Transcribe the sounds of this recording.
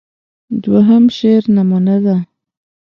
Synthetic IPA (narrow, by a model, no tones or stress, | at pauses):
d̪waɦəmʃeɾnamunad̪a